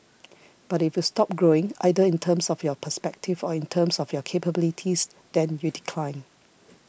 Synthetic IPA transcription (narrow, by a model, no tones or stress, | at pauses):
b̥atifjustɔp̚ɡɹoɪ̃ŋa̰ɪdəĩntʰə̃msɔfjɔpʰəspɛk̚tʰivɔĩntʰəmsɔfjɔkʰepəbilitʰis | d̪ɛ̃njudikʰlãɪ̃n